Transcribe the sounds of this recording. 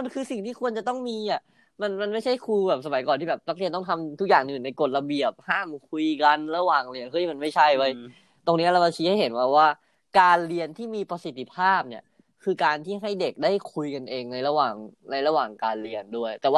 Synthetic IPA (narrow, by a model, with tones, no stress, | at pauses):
nkʰɯː˧si˨˩ŋt̪ʰiː˥˩ku˧ənt͡ɕa˨˩t̪ɔ˥˩ŋmiː˧ʔa˨˩ | ma˧nma˧nma˥˩jt͡ɕʰa˥˩jkʰu˧bɛː˨˩p̚sa˧ma˨˩˦jkɔː˨˩t̪ʰiː˥˩bɛː˨˩p̚na˦k̚li˧nt̪ɔ˥˩ŋt̪ʰa˧mt̪ʰu˦˥k̚aː˨˩ŋʔɯː˨˩nːa˧jko˨˩t̪̚la˧bi˨˩əp̚haː˥˩mkʰu˧jka˧nɾa˧waː˨˩ŋli˧ənkʰo˧˥i˦˥˩ma˧nma˥˩jt͡ɕʰa˥˩jwa˧˩j | t̪o˧ŋni˦˥ɾa˧wma˧t͡ɕʰiː˦˥ha˥˩ɦe˩˦nwa˧˩waː˥˩ | kaː˧nli˧ənt̪ʰiː˥˩miː˧pa˧si˨˩t̪ʰːi˧pʰaː˥˩p̚ni˥˩ | kʰɯː˧kaː˧nt̪ʰiː˥˩ɦa˥˩jde˨˩k̚daː˥˩jkʰu˧jka˧nʔeː˧ŋna˧jɾa˧waː˨˩ŋna˧jɾa˧waː˨˩ŋkaː˧nli˧əndu˥˩əjt̪ɛː˨˩waː˥˩